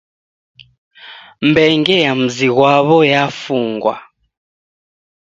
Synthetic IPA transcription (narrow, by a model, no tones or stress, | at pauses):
mbɛŋɡɛjam̩ziɣwaβɔjafuːŋɡwa̰